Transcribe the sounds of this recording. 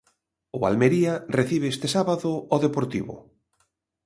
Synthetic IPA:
ʊa̰lmeɾiareθiβeest̪esaβaðʊɔðepoɾt̪ḭβʊ̰

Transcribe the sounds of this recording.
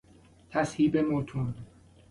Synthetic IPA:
t̪ʰæshiːbemot̪ʰun

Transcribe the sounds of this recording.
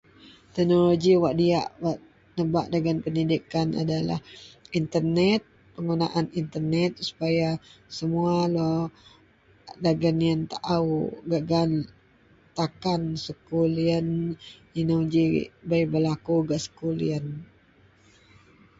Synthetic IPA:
t̪ɛhnoloɡiwaʔdiaʔwaʔ | nəbaʔdaɡanpəndidikana̰dala̰hint̪ərnɛt̪̚ | pəŋɡuna̰ʔanint̪ərnɛt̪̚su̥pajasəmualo | daɡanjənt̪aʔawɡaʔɡan | t̪akansəkuliəninəɡḭbajbəlakuɡaʔsə̥kulḭən

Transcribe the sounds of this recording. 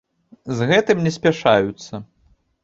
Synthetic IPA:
zɣɛt̪ɨmnʲɛsʲpʲaʂajut̪sːɐ

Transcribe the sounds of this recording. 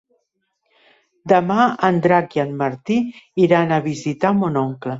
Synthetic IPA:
d̪əmaənd̪ɾakjianməɾt̪iiɾanəβizit̪amonoŋklə

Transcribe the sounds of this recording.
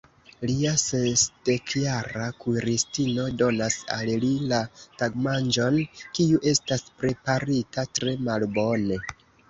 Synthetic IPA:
liasensd̥ekjaɾakuɾistino̞do̞nasa̰llilataɡmand͡ʒo̞nkiuʔe̞staspɾe̞paɾitatɾe̞malbo̞ne̞

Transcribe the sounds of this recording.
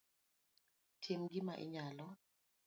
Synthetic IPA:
tʰimɡimaʔḭɲalɔ

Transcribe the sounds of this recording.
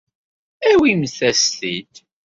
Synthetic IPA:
æwimθæsθid̪

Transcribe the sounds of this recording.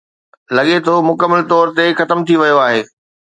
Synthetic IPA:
lɐɠet̪ʰomʊkəmːəlt̪ɔːɾt̪exɐt̪əmt̪ʰiʋɐjoaːɦeː

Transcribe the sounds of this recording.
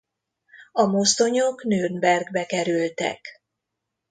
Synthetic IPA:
ɒmo̞st̪o̞ɲoknøːnbɛrɡbɛkɛɾylt̪ɛ̰k

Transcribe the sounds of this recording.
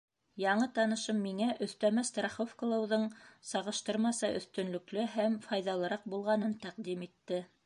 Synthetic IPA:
jɑɴɤt̪ɑnɤ̆ʃɤmːiŋæʔɵ̆θt̪æmæst̪rɑχofkŏlˠɤ̆wðɤɴsɑʁɤ̆ʃt̪ɤɾmɑsɑʔɵ̆θt̪ɵ̆nlɵ̆klɵɦæmfɑjðɑlˠɤ̆ɾɑq̚bulˠʁɑnɤnt̪æqd̪imit̪ːɘ

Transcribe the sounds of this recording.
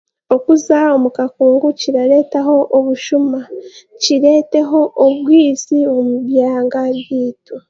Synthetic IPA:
o̞kuzao̞mukakuːŋɡuciɾaɾe̞ːtaho̞ʔːβuʃumaciɾe̞ːte̞ɦo̞ʔoβwiːzio̞muβjaːŋɡaβjiːto

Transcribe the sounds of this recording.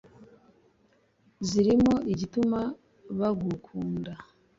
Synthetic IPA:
ziɾimo̞iɟituma | βaɡukʰuːnda

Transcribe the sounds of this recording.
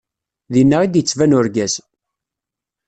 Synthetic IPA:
ðinːəʁid̪jət͡sːvænʊɾɡæz

